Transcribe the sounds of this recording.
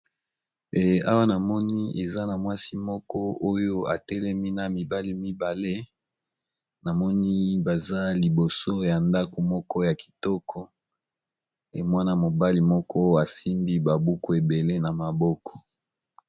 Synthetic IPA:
e˨a˦wa˦na˨mɔ˦ni˦e˨za˦na˨mwa˦si˦mɔ˦kɔ˦ʔo˦jo˦a˨tɛ˦lɛ˦mi˦na˨mi˨ba˦li˦mi˦ba˨le˦ | na˨mɔ˦ni˦ba˨za˦li˨bo˨so˦ja˨nda˦ko˨mɔ˦kɔ˦ja˨ki̥˨tɔ˦kʰɔ˦ | e˨mwa˦na˦mo˨ba˦li˨mɔ˦kɔ˦a˨si˦mbi˦ba˨bu˦ko˦˨e˨be˨le˦na˨ma˨bɔ˦kɔ̥˨

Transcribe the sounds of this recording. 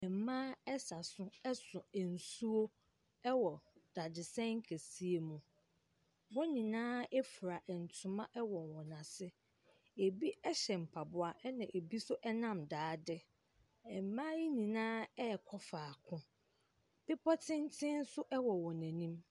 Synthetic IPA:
ɛ˨m̩˨mãː˦ɛ˦sa˨sʊ̃˦ɛ˦sʊ̃˨ɛ˨n̩˨su˦o˦ | ɛ˦wɔ˨d̥a˨dɪ˨sɛ̃˦ŋ̩˦kʰæ˨si˦e˨mũ˨ | wɔ˦nĩ˨nãː˦ɛ˦fu˨ɾa˨ʔɛ˨n̩˨tʰʊ̃˨mã˦ʔɛ˦wɔ˨nwɔ̃˨nã˨sɪ˦ | e˨bi˦ɛ˦ɕɛ˨m̩˨pʰa˨bʊ˦a˨ʔɛ˦nã˨ʔe˨bi˦sʊ˦ʔɛ˦nã˦mdaː˨˦dɪ˦ | ɛ˨m˨mã˦ji˦nĩ˨nãː˦ɛ˦˨kʰɔ˦faː˨kʰʊ̃˦ | b̥ɪ˦pʰɔ˦tʰɪ̃˦n˦tʰɪ̃˦n̩˦sʊ˦ʔɛ˦wɔ˨wɔ̃˨næ̃˨nĩ˦m

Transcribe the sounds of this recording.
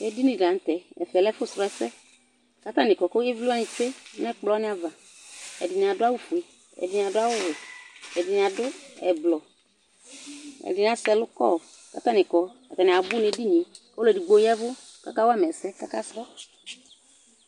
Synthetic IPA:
ɛ˨di˦nĩ˨da˨n̩˦tɛ˨ɛ̰˨fɛ˨lɛ˦fʊ˦sɾɔ˨˦ɛ˨sɛ˦ | ka˨t̪a˦nɪ̃˨kɔ˨ko˦e˦vlu˦a˦ɲĩ˨te˦nɛ˦k͡plɔ˨˦nɪ˦a˨va˨ | ɛ̰˨dɪ˨nɪ˨a˨dʊ˦a˦wu˦fu˨e˨ | ɛ̰˨dɪ˨n˨a˨dʊ˦a˦wʊ˦wɛ˨ɛ̰˨dɪ˨n˨a˨dʊ˦ɛ̰˨blɔ˨ | ɛ̰˨dɪ˨n˨a˦sɛ˦lʊ˦kɔ̰˦˨ | ka̰˨t̪a˦nɪ˨kɔ˨ka̰˨ta˨nɪ̃˨a˨bʊ˦ne˨˦di˦ɲĩ˨ | o˦lɛ˨di˨ɡ͡bo˦jɛ˦vʊ˦ | ka̰˨ka˦wa˦m˨ɛ˨sɛ˦ka̰˦ka˦sɾɔ˦

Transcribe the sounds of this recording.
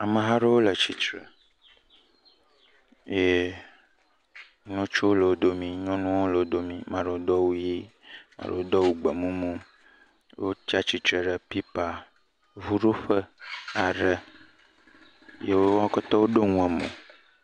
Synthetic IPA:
a˨mə̃˨ɦa˦ɖe˦wo˦lə˨t͡ʃi˦t͡ʃɾə˨ | je˦ | nũ˦t͡ʃo˦wo˦lə˨wo˦d̪o˦mĩ˨ɲɔ̃˦nũ˦wo˦lə˨wo˦d̪o˦mĩ˨mã˨ɖe˨wo˦d̪ɔ˦wu˦ji˦mã̰˨ɖḛ˨wo˦d̪ɔ˦wu˦ɡ͡bə˨mũ˦mũ˦ | wʔo˦t͡ʃa˦t͡ʃi˨t̪ɾɛ˨ɖə˨pi˦pa˨ | vu˦ɖo˦ɸə˦a˨ɖə˦ | je˦wo˦a˦kɔ˦t̪ɔ˦wo˦ɖo˦ŋũ˦ɛ˨mõ̰˨

